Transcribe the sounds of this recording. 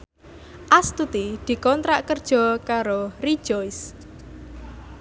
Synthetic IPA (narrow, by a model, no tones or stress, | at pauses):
ʔast̪ut̪id̪̥i̤kɔnt̪ɾaʔkərd̥ʒ̥ɔ̤kaɾori̥ʒ̥ɔjs